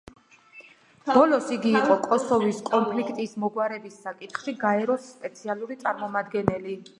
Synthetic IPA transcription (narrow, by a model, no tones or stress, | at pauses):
b̥ɔlɔsiɡiːqʼɔkʼɔsɔviskʼɔnpʰlikʰt̪ʼismɔɡwaɾɛbisːakʼit̪χʃiɡaɛɾɔsːpʼɛt̪sʰialˠuɾit̪sʼaɾmɔmad̪ɡɛnɛli